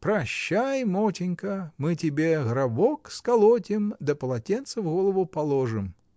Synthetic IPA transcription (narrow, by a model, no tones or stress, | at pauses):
pɾɐɕːajmot͡ɕʲɪnʲkəmɨtʲɪbʲeɣɾɐbokskɐlˠotʲɪmd̪əpəlˠɐtʲent̪səvɣolˠəvʊpɐlˠoʐɨm